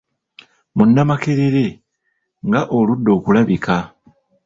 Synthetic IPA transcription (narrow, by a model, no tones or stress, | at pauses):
munːamake̞ɾeɾe̞ | ŋɡaʔoludːo̞ːkulaβikʰa